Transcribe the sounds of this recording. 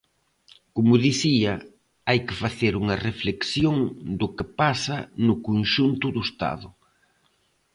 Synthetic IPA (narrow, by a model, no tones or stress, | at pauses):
komʊðiθiɐ | ajkɪfaθeɾuŋɐrefleksjoŋd̪ʊkɪpasɐnʊkonʃunt̪ʊðʊst̪a̰ðʊ